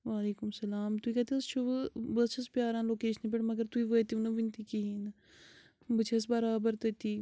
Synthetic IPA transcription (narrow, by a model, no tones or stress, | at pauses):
ʋaːleːkʊmsɐlaːmt̪uiːkɐt̪iɐst͡ʃʰubbət͡ʃʰɐspjaːɾaːnloːkeːʃənp̬eɽmɐɡəɾt̪uiːʋət̪iunɐʋint̪iːkiɦin | bɐt͡ʃʰɐs̬bɐɾaːbəɾt̪ɐt̪iː